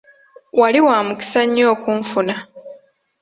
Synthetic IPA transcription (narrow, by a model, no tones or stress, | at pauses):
waliwaːmuki̥saɲːo̞ːkuɱfuna